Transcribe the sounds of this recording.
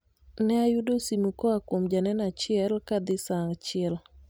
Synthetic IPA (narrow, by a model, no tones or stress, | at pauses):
nɛajudosimukɔakwomd͡ʒanɛnat͡ʃɪɛlkad̪ɪsaŋt͡ʃɪɛl